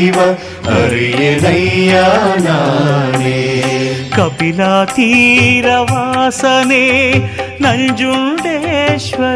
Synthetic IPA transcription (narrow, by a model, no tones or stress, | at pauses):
ʋɐ | ɦɐɾijenɐjaːnaːne | kɐpilaːt̪iɾɐʋaːsɐneːnɐɲd͡ʒuɳɖeʃʋɐ